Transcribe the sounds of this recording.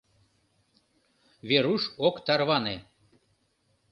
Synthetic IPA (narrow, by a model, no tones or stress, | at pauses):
βʲeɾuʃokt̪ɑrβɑne